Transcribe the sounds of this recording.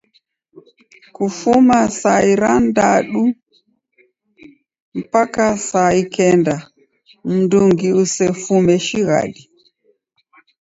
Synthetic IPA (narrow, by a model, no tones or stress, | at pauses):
kufumasaiɾandaɗu | m̩pakasaikɛnda | m̩nduŋɡiusɛfumɛʃiɣa̰ɗi